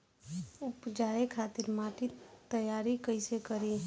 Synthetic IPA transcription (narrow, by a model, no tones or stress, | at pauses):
ʊpd͡ʒaːekʰaːt̪ɪɾmaːʈit̪əjaːɾikəɪsekəɾi